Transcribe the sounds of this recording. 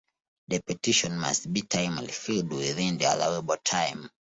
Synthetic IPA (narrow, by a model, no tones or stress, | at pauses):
ðəpɛtiʃɔ̃nma̰stbitʰãj̃mãlifildwiðĩnðia̰laʊəbɔltʰãjm